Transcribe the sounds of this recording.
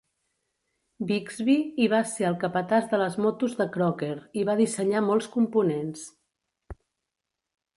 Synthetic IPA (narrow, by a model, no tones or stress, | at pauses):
biɡzβiiβ̞aseəlˠkəpət̪azðələzmɔt̪uzðəkɾɔkeɾiβað̞isəɲamɔlˠskumpunens